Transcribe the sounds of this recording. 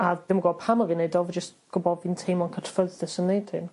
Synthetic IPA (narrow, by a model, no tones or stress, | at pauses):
aðɪməɡɔpʰamɔviːnejdɔvəd͡ʒəstɡ̥ʊbɔdvintʰejmɔnkʰətʰfəðɪsənːejd̥tʰɪm